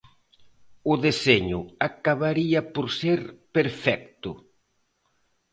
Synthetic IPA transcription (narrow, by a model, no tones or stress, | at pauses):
ʊðeseɲʊakaβaɾiapoɾseɾpeɾfɛk̚t̪ʊ